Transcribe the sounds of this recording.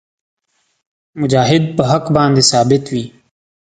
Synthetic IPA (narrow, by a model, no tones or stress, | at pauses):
mʊd͡ʒaːɦɪd̪̚pəɦəkbãːnd̪eːsaːbɪt̪ʋiː